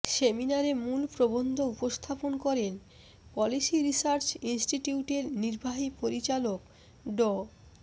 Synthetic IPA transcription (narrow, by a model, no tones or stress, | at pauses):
seminaɾemulpɾobond̪ʱoupost̪ʰaponkɔɾen | pɔlisiɾisaɾt͡ɕinsʈiʈiuʈeɾniɾbʱaɦipoɾit͡ɕalok | ɖɔ